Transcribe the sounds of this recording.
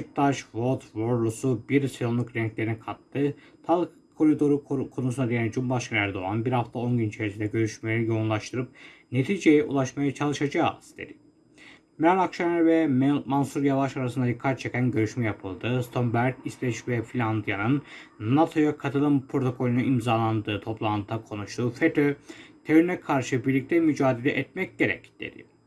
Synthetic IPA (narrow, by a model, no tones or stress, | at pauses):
ʃɯk̚t̪ʰaʃvolˠt̪voɾlˠusubiɾsiɾonlˠukɾɛnʲclʲeɾinikʰat̪ːɯ | t̪ʰalˠ | kʰo̞ɾid̪o̞ɾukʰo̞nusunad̪eanid͡ʒumbaʃkʰanæɾd̪o̞anbiɾhaft̪ʰao̞nɟynit͡ʃʰe̞ɾisind̪ɛɟø̞ɾyʃmejjo̞unlˠaʃt̪ʰɯɾɯp̚ne̞t̪ʰiːd͡ʒe̞jɛʔṵlˠaʃmajat͡ʃʰalˠɯʃad͡ʒaːz̥d̪̥ḛd̪i̥ | mæɾakʃanaɾvɛmansuɾjavaʃaɾasɯnd̪ad̪ikʰːat͡ʃʰecænɟø̞ɾyʃmɛjapʰɯlˠd̪ɯst̪ʰo̞mbæɾd̪islɛʃvɛfilʲand̪ijanɯnnːat̪ʰo̞jakʰat̪ʰɯlˠɯmpʰɾo̞t̪ʰo̞kʰo̞lʲnuimzaːlˠand̪ɯːt̪ʰo̞plˠant̪ʰːakʰo̞nuʃt̪ʰuːfet̪ʰøt̪ʰeynɛkʰaɾʃɯbiɾlʲic̚t̪ʰɛmyd͡ʒaːd̪elʲɛʔɛt̪̚mɛc̚ɟe̞ɾɛ̰cd̪̥ḛd̪ɪ̰